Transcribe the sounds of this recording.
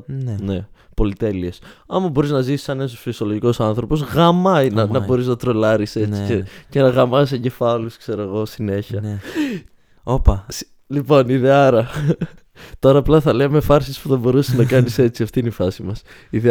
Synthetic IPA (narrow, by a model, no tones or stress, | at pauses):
ne̞po̞lit̪e̞liesɐmɐbo̞ɾiznɐzisi̥sɐneɐsosfisio̞lo̞ʝiko̞sɐnθɾo̞po̞zɣɐmɐinɐnɐbbo̞ɾiznɐt̪ɾo̞lɐɾise̞t͡sicece̞nɐɣɐmɐsɐɲɟe̞fɐluskse̞ɾoeɣo̞sine̞çɐ | opɐs | lipo̞niðeɐɾɐ | t̪o̞ɾɐːplɐθɐlemefɐɾsispuθɐbo̞ɾusenɐkɐnise̞t͡siɐft̪ineifɐsimɐs | iðe